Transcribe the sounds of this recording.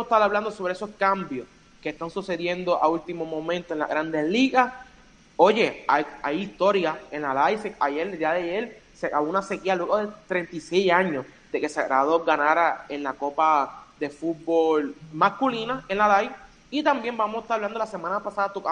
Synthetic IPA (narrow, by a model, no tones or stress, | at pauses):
et̪aɾaβland̪o̞so̞βɾeeso̞skambjo̞s | keːht̪aŋsuse̞ðje̞nd̪oʔault̪imo̞mõ̞mẽnt̪oenla̰ɣɾand̪e̞sliɣas | o̞ʝe̞ajajist̪o̞ɾjae̞nlalajseajeld̪iaðeajelsekaβounase̞kialweɣoðet̪ɾe̞nt̪ise̞jaɲo̞s | d̪e̞ke̞seɾaðoɡanaɾae̞nlako̞paðe̞fut̪̚bo̞lmaskulinae̞nlalaj | it̪ambje̞mbamoset̪aɾaβland̪olase̞mãnapasaðat̪oka